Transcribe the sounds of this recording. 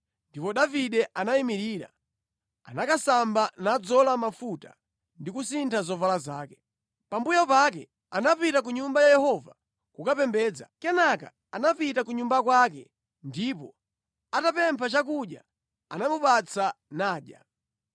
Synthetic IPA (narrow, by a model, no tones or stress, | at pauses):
ndipɔɗaviɗɛʔanaimiɾiːɾa̰ | a̰nakasambanad͡zɔlamafuta̰ | ndikusintʰazɔvalazaːkɛ̥ | pambujapakɛ | anapitak̬uɲumbajajɛhɔva̰ | kukapɛmbɛːd͡za̰kɛnaka̰ | anapitakuɲumbakwak̬ɛ | ndipɔ | atapɛmpʰat͡ʃak̬uɗja̰ | anamupat͡sʰanaːɗja̰